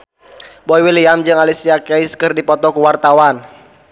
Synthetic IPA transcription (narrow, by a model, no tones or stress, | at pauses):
bɔiwiliamd͡ʒɨŋalisiakɛiskɨrdipɔt̪ɔkuwart̪awan